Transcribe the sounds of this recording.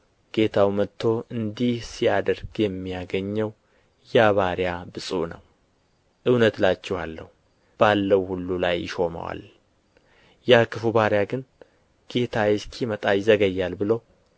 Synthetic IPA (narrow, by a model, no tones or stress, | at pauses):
ɡ̥e̞t̪ʰawmət̪ʰːo̞ʔɨnd̪ihsijad̪əɾɡjɛmːijaɡəɲːəw | jaβaɾjabɨsʼṵnəw | ʔɨwnət̪lat͡ʃːɛhalːə̰hu | b̥alːəwhulːulajɪʃo̞mə̰wa̰l | jakɨfubaɾjaɡɨn | ɡ̥e̞t̪ʰajɛskʰimət̪ʼajɪzəɡəjːalbɨləw